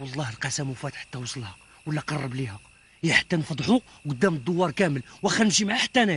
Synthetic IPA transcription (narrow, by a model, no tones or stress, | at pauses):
wɑlˤːɑhəlqɑsæmufæt̪ħḁt̪ːæwsˤəlhɑq | wəlːæqɑrˤːəblihæq | jæħḁt̪ːænfɑd̪ˤħu | qʊd̪ːæməd̪ˤːowːɑɾˤkæməlwæxænʒimʕaħḁt̪ːænæ